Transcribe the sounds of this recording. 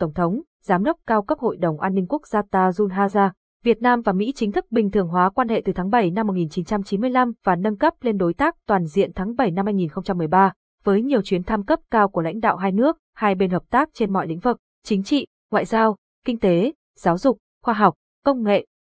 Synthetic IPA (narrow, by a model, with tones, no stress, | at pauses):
t̪ə˧˩wŋ͡mt̪ʰə˨˦wŋ͡m | zaː˨˦mɗə˦˥k͡p̚kaː˧wkə˦˥p̚ho̰˧˨jɗə˨˩wŋ͡mʔaː˧nːï˧ŋ̟ku˦˥ək̚zaː˧t̪aː˧zu˧nɦaː˧zaː˧ | vi˨˩ət̚naː˧mvaː˨˩mḭ˧˥t͡ɕï˨˦ŋ̟t̪ʰɨ˦˥k̚ɓï˨˩ŋ̟t̪ʰɨ˨˩əŋɦwaː˨˦kwaː˧nhḛ˧˨t̪ɨ˨˩aː˨˦ŋɓə˧˩jna˧mː˨˩t̚ŋi˨˩nt͡ɕi˨˦nt͡ɕa˧mt͡ɕi˨˦nmɨ˧əjla˧mvaː˨˩nə˧nkə˦˥p̚le˧nɗo˨˦jt̪aː˦˥k̚t̪waː˨˩nzḭ˧˨ənt̪ʰaː˨˦ŋɓə˧˩jna˧mhaː˧jŋi˨˩nxə˧ŋ͡mt͡ɕa˧mːɨ˨˩əjɓaː˧ | vəː˨˦jɲi˨˩əwt͡ɕwi˨˦ənt̪ʰa˧mkə˦˥p̚kaː˧wku˧˩əla̰˧˥ŋ̟ɗa̰ː˧˨wɦaː˧jnɨ˦˥ək̚haː˧jɓe˧nhəː˨˩p̚t̪aː˦˥k̚t͡ɕe˧nmɔ̰˧˨jlḭ˧˥ŋ̟vɨ˨˩k̚ | t͡ɕï˨˦ŋ̟t͡ɕḭ˧˨ | ŋwa̰ː˧˨jzaː˧w | kï˧ŋ̟t̪e˨˦ | z̥aː˨˦wzʊ˨˩k͡p̚ | xwaː˧ɦa˨˩wk͡p̚ | kə˧wŋ͡mŋḛ˧˨